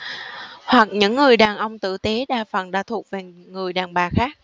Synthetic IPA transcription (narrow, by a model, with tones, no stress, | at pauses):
hwa˨˩k̚ɲɨ̰˧˥ŋːɨ˨˩əjɗaː˨˩nʔə˧wŋ͡mt̪ɨ̰˧˨t̪e˨˦ɗaː˧˩fə̰˨˩nɗaː˧˥t̪ʰu˨˩ək̚ve˨˩ | ŋɨ˨˩əjɗaː˨˩nɓaː˨˩xaː˦˥k̚